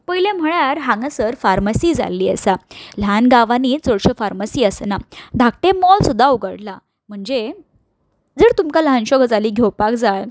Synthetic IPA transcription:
pəjlẽm̤əɭ̃aɾɦãŋɡəsəɾfaɾməsiːd͡za̰lːiːə̰sal̤anɡaʋaniːd͡zɔɽɕəfaɾməsiːəsnad̪ʱak̚ʈemɔlsud̪ʱːauɡəɽla | m̤əɳd͡ze | d͡zəɾt̪umkalɦanɕɔɡd͡zaliːɡʱjewpakd͡zal

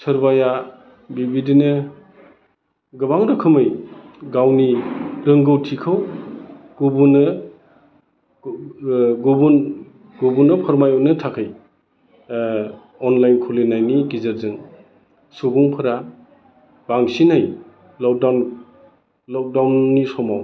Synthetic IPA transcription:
sɐɾbaja | bibidinɯ | ɡɯbaŋdɯkʰɯmɯjɡawniɾɯŋɡɯwtʰikʰɯw | ɡ̥ubunɯ | ɡubun | ɡubunɯpʰɐɾmajɔwnɯtʰakʰɯj | ɔnlajnkʰulinajniɡizaɾzɯŋ | suɡuŋpʰɯɾa | b̥aŋsinaj | lɔk̚dan | lɔk̚dawnːisɔmaw

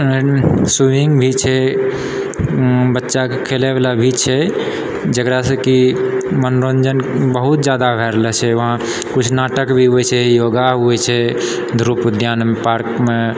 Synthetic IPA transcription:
suʋiŋɡbʱit͡ʃʰɛ | bətːʃakʰeleblabʱit͡ʃʰɛ | d͡ʒəkɾasə̃kimənɾond͡ʒənbəɦut̪d͡ʒad̪abʱɛɾlɛt͡ʃʰɛʋəɦã | kut͡ʃʰnaʈəkbʱiɦuɛt͡ʃʰɛjoɡaɦuɛt͡ʃʰɛ | d̪ʱɾupd̪ʱjanmepaɾkme

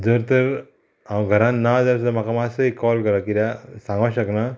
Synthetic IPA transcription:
d͡zəɾt̪əɾ | ãwɡʱəɾãnːad͡zəɾsəmakamasəikɔlkəɾakiɾjasãŋɡaɕəkna

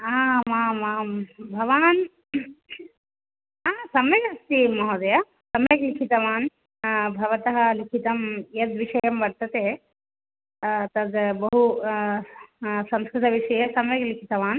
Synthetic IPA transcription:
aːmaːmaːmbʱɐʋaːn | aːsɐmjɐɡɐst̪imɐɦoːd̪ɐja | sɐmjɐklikʰit̪ɐʋaːn | bʱɐʋɐt̪ɐɦɐlikʰit̪ɐmjet̪ʋiʂɐjɐmbɐɽt̪ɐt̪eː | t̪ɐd̪bɐɦu | sɐmskɾɪt̪ɐʋiʂɐjɐsɐmjɐklikʰit̪ɐʋaːn

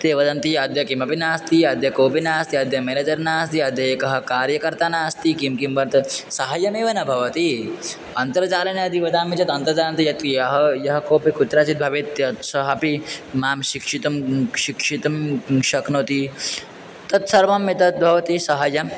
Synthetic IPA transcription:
t̪eːʋɐd̪ɐnt̪ijɐd̪jɐkimɐpinaːst̪iɐd̪jɐkoːpinaːst̪iɐd̪jɐmeled͡ʒɐɾnaːst̪iɐd̪jɐeːkɐɦɐ̆kaːɾjɐkɐɾt̪aːnaːst̪ikimkimʋɐɾt̪sɐɦɐjɐmeːʋɐnɐbʱɐʋɐt̪i | ɐnt̪ɐɾt͡ʃaːlɐnjɐt̪iʋɐd̪aːmit͡ʃɐt̪ɐnt̪ɐɾd͡ʒaːlɐnt̪ijɐt̪jɐɦɐjɐɦɐ̆koːpikut̪ːɾaːt͡ʃit̪̚bʱɐʋit̪ːɐt̪sɐɦɐpimaːmʃikʂit̪ɐmʃikʂit̪ɐmʃɐknoːt̪i | t̪ɐt̪sɐɾʋɐmːit̪ɐt̪̚bʱɐʋɐt̪isɐɦɐjɐm

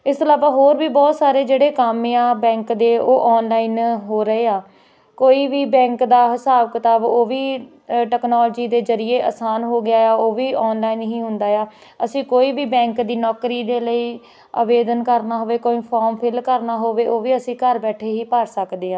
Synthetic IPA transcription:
ɪst̪əlaːbaːɦoːɾbiːbɔːt̪saːɾeːd͡ʒeːɽeːkaːmɪãːbɛ̃ːŋkd̪eːoːʔɔːnlaːiːnɦoːɾəeːaː | koːiːʋiːbɛ̃ːŋkd̪aːɦsaːʋkət̪aːboːʋiː | ʈɛːknɔːlːd͡ʒiːd̪eːzəɾɪjeːʔaːsaːnɦoːɡɪjaːaːoːʋiːɔːnlaːiːnɦĩːɦʊ̃nd̪aːjaː | əsĩːkoːiːbiːbɛ̃ːŋkd̪iːnɔːkɾiːd̪eːləiː | a̰ːʋeːd̪ənkəɾnaːɦoːʋeːkoːĩːpʰɔːɾmpʰɪlkəɾnaːɦoːʋeːʔoːʋiːəsĩːkəɾbɛːʈʰeːɦiːpaːɾsəkd̪eːãː

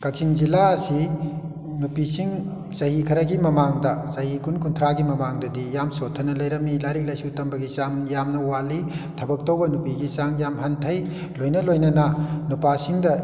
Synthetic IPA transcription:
kɐk̚siŋzilaɐsi | nupisiŋ | sɐhikʰɐɾɐɡimɐmaŋdɐsɐɦikunkunt̪ʰɾaɡimɐmaŋdɐdijamsotʰɐnɐlɐjɾɐmːilaɾik̚lɐjsutɐmbɐɡisamjamnɐwalitʰɐbɐk̚towbɐnupiɡisaŋjamɦɐntʰɐj | lojnɐlojnɐnɐnupasiŋdɐ

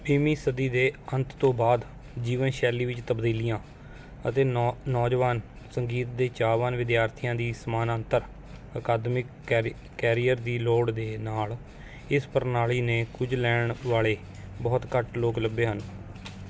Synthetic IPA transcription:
biːmiːsəd̪iːd̪eːənt̪ʰt̪õːbaːd̪ | d͡ʒiːʋənʃɛːliːʋɪt͡ʃt̪əbd̪iːlɪjãː | ə̰t̪eːnɔːd͡ʒʋaːn | səŋɡiːt̪̚d̪eːt͡ʃaːʋaːnʋɪd̪jaːɾt̪ʰijãːd̪iːsmaːnənt̪əɾ | əkaːd̪mɪkː | ɛːɾijəɾd̪iːloːɽd̪eːnaːl | ɪspəɾnaːɭiːneːkʊd͡ʒlɛːɳʋaːɭeː | bɔːt̪kəʈloːkləbːeːɦən

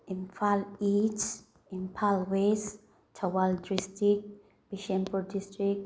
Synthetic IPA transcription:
ĩnfʰalit͡ʃ | ĩnpʰalwes | tʰawaldɹistik̚ | b̥iʃɛ̃mpɔdistɹik̚

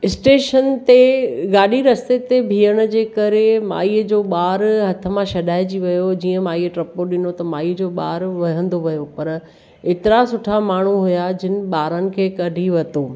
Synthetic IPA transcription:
ɪsʈeːʃənt̪eɡaːɗiɾɐst̪et̪ebʱiːəɽ̃̆d͡ʑeːkɐɾema̰ːiːəd͡ʑoːɓaːɾɦɐt̪ʰəmãʃɐɗaːɪd͡ʑiʋɐjod͡ʑiːə̃maːiːəʈɾɐpoɗɪnot̪ɐmaːiːd͡ʑoːɓaːɾʋɐɦə̃nd̪oʋɐjopɐɾ | eːt̪ɪɾasʊʈʰamaːɳ̤uɦʊjad͡ʑɪnɪ̆ɓaːɾənɪ̆kʰeːkɐɖʱiʋɐt̪oː

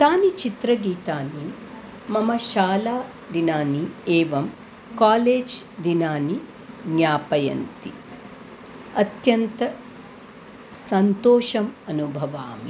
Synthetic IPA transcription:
t̪aːnit͡ʃit̪ɾɐɡiːt̪aːni | mɐmɐʃaːlaː | d̪inaːnieːʋɐm | kaːleːd͡ʒd̪inaːni | ɡɲaːpɐjɐ̰nt̪i | ɐt̪jɐnt̪ɐ | sɐnt̪oːʃɐmɐnubʱɐʋaːmi

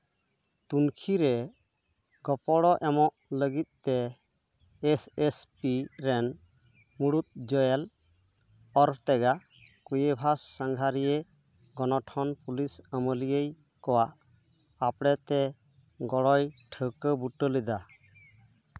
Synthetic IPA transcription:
t̪unkʰiɾɛ | ɡ̥ɔpɔɽɔʔɛmɔʔləɡit̪̚t̪ɛː | sespiɾɛn | muɽut̪̚d͡ʒɔjɛl | ɔɾt̪ɛɡa | kujebʱasːaŋɡʱaɾije | ɡɔnɔʈʰɔnpulisəməlijej | kɔwaʔ | apɽɛt̪ɛ | ɡɔɽɔjʈʰəkəbuʈəlɛd̪a

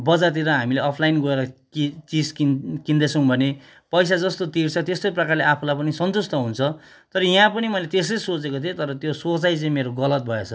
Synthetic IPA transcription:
bʌd͡zat̪̬iɾʌɦamileʌpʰlajnɡʌeɾʌkit͡siskikind̪esʰʌ̃w̃bʱʌne | pʌjsad͡zʌst̪ot̪irt͡sʰʌt̪est̪ojprʌkarleapʰulajpʌnisʌnt̪ust̪ʌɦunt͡sʰʌ | t̪ʌɾʌjãpʌnimʌjlet̪es̬ʌsot͡sekot̪ʰiot̪ʌɾʌt̪josot͡sajt͡sʌ̃ĩmeɾoɡʌlʌt̪̚bʱʌet͡sʰʌ

